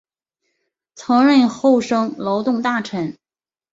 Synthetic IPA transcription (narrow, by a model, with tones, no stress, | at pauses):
t͡sʰɤ˧˥ŋɻə˥˧nxo˥˧ʊʂɤ˥ŋlo˧˥ʊt̪ʊ˥˧ŋt̪a˥˩ʈ͡ʂʰə˧˥n